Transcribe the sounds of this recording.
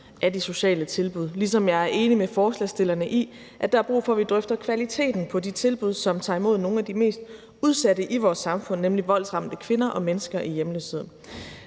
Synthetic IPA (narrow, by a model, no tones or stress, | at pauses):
ʔæɐd̥iso̝ɕɛ̰ːlət͡sʰe̝lb̥uð̞̰ˠlisɒ̽mjɑ̈ɪæɐʔe̝ːnimefɒːslɛ̰sd̥e̝lɐnəʔi | ʔæd̥ɑ̈æɐb̥ʁṵːfɒ̽ʋid̥ʁœfd̥ɐkʰʋælit͡sʰe̝̰ːd̥n̩pʰɒ̽dit͡sʰe̝lb̥uð̞̰ˠsɒ̽mt͡sʰɑ̈ːimo̝ð̞̰ˠno̝ːn̩æd̥ime̝̰ːsd̥ | uð̞ˠsæɾəʔiʋɒːsːɑ̈mfɔ̽n̰ːemliʋɒ̽l̰sʁɑ̈ml̥əkʰʋe̝nɐʔɒ̽menəsɡ̥ɐʔijemlø̰she̝ð̰ˠn̩